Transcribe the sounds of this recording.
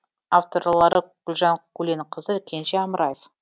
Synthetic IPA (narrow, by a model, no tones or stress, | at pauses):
aft̪o̞rlˠɑɾəɡ̥ʊlʲˠʒɑɴkʉlenqʰəzəkʲʰenʃeɑmɾɑjef